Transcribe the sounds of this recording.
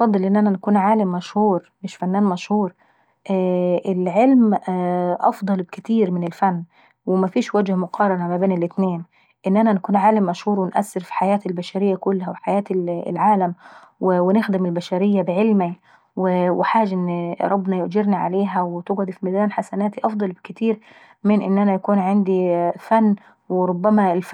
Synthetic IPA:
ʔɑfɑd̪ˤːɨlʔɪnːʔænænkuːnʕaːlɪmːæʃhuːɾ | mɪʃfænːæːnmæʃhuːɾˤ | ʔæʔɪlʕelm | ʔɑ̰fd̪ˤɑlbkɪt̪iːɾmɪnɪlfænː | wɪmæfiːʃwæd͡ʒhæmʊqʰɑːɾˤɑnæmæbeːnɪlʔɪt̪neːn | ʔɪnːʔænænkuːnʕaːlɪmːæʃhuːɾwɪnʔæ̰sːɪɾfi̥ħajæːt̪ɪlbæʃæɾɪjːækʊlːhæwɪħajæːt̪lʕaːlæmwɪwɪnɪxd̪ɪmɪlbæʃæɾɪjːabɪʕɪlmi | wɪwɪħaːd͡ʒʔɪnːɾˤɑbːnɑjʊʔd͡ʒɪɾniʕa̰leːɦæwɪt̪ɪɡʕʊd̪fimɪd̪aːnħasanaːt̪iʔɑfd̪ˤɑlbɪkɪt̪iːɾ | mɪnʔɪ̰nːʔænæjakuːnʕɪnd̪ifanː | wɪɾˤʊbːæmælf

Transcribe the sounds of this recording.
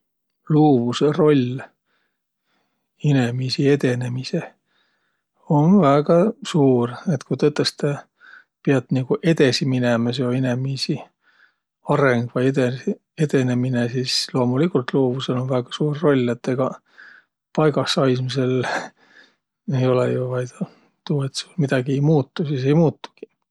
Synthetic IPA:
luːvusero̞lʲː | ine̞misie̞d̪e̞ne̞mise̞ | o̞nvæːɡ̥ɑsuːret̪kujt̪ɤt̪ːˑest̪e | piɑt̪ːniɡ̥uʔe̞d̪̥e̞siminemɑsjoinemisi | ɑɾe̞ŋɡ̥vɑjed̪e | e̞d̪e̞ne̞minesiːslo̞ːmulikːult̪lo̞ːvuse̞lo̞nvæɡ̥ɑ̥suːrːo̞lʲːet̪ːeɡ̥ɑ | pɑjɡ̥ɑsɑjsmise̞l | ejo̞lejuvɑjt̪ɑ | t̪uːe̞t̪sulmid̪̥ɑɡ̥ie̞jmuːt̪ːusise̞jmuːt̪ːu̥ɡ̥i̥

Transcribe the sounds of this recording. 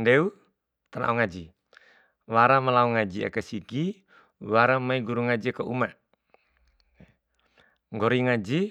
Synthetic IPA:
ndɛu | t̪anʔa̰uŋad͡ʒi | waɾamalauŋad͡ʒia̰kasiɡi | waɾamaiɡuɾuŋad͡ʒiakauma | ŋɡɔɾiŋad͡ʒi

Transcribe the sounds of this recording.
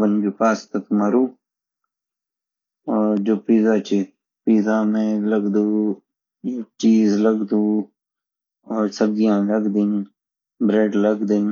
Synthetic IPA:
bənɡepaːst̪ɐt̪mɐɾuː | oːɾd͡ʒoːpiːzaːt͡ʃi | piːzaːmẽləɡd̪uː | t͡ʃiːzləɡd̪uː | oːɾsəb̚ɡijãːləɡd̪in | bɾeːɖləɡd̪ɪn

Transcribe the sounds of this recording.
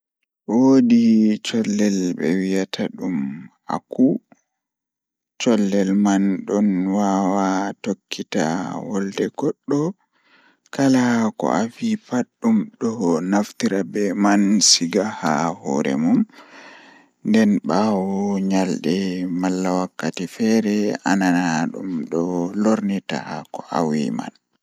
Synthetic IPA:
wodit͡ʃɔlːɛlbɛ̰wijatʰaɗum | a̰ku | t͡ʃɔlːɛlmanɗɔnwawatokʰːita̰wɔldɛɡɔɗːɔ | kalakɔ̰ʔafipaɗːumɗɔnaftiɾabɛmansiɡaha̰hɔ̰ːɾɛ̰mum | ndɛnɓawɔɲalɗɛmalːawakːatifɛɾɛa̰nanaɗṵmɗɔloɾnita̰kɔʔa̰wḭma̰n

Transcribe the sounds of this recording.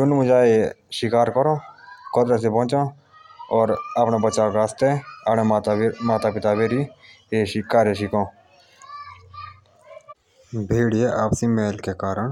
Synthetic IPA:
d͡ʒʊnmʊd͡ʒaːe | ʃɪkaːɾkɔɾõːkɔd̪ɾes̬epɔ̃ːt͡ʃõː | ɔːɾapnabət͡ʃːaːkast̪eaɽẽtmaːt̪aːpɪt̪aːbeːɾi | eːʃikaːɾjeʃɪkõː | bʱeːɽieʔaːpsimeːlkekaːɾəɳ

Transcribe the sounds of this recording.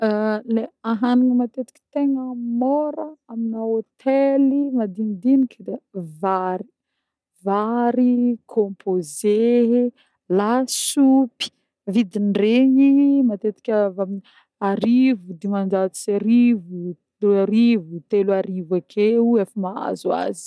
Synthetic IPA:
leaɦanuŋəmat̪et̪i̥kʲi̥t̪eŋəmoɾəaminaot̪ʰelimad̪ind̪inikəd̪evaɾi̥ | vaɾikʰõmpʰoze | lasupi̥ | vid̪iɳɖ͡ʐeɲimat̪et̪i̥kʲaamin | aɾivud̪emand͡ʒat̪i̥seɾivu | aɾivut̪elaɾivakʰeuefamaa̰zua̰zi̥

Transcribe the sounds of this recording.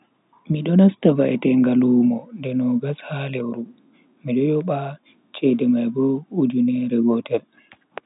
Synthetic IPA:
miɗɔnastavaʔɛ̰tɛŋɡaluːmɔndɛnɔɡashalɛwɾu | miɗɔjɔɓa | t͡ʃɛdɛmajbɔud͡ʒunɛɾɛɡɔtɛl

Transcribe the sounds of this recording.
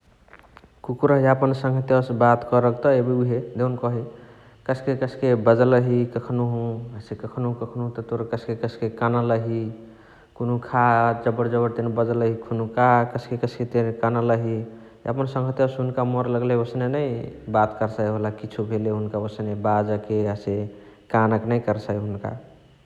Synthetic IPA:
kukuɾəɦiapənsə̃ŋɡʱət̪jəsbat̪kəɾəkt̪ɔebiuɦed̪ewnkɔɦi | kəsʰkekəsʰkebəd͡ʒləɦikəkʰnuɦũəsekəkʰnoɦũkəkʰnoɦũt̪ɔt̪oɾkəskekəsʰkekanaləɦi | konukʰad͡ʒəbəɾd͡ʒəbəɾt̪enbəd͡ʒələɦikʰunukakəsʰkekəsʰket̪enkanələɦi | ə̰pənsə̃ŋɡʱət̪jəsɦunkamoɾləɡleosnenəibat̪kəɾsəjɦolakit͡ʃʰubʱeleɦunkaosnebad͡ʒəkeəsekanəknəjkəɾsajɦunka̰

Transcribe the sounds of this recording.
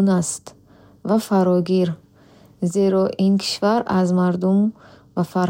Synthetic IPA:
nast̪ | vafaɾɔɡiɾ | zeɾɔʔinkʰi̥ʃvaɾazmaɾd̪um | vafaɾ

